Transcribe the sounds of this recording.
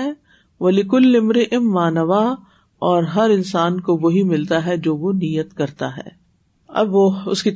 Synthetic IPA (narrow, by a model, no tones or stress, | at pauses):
ɛː | ʋɐlɪkʊlːɪmɾɪʔɪmːaːnɐʋa | ɔːɾɦɐɾɪnsaːnkoʋoɦimɪlt̪aɦɛd͡ʒoːʋoniːjət̪kɐɾt̪a̰ɦɛ̰ː | ɐ̰bʋoʊski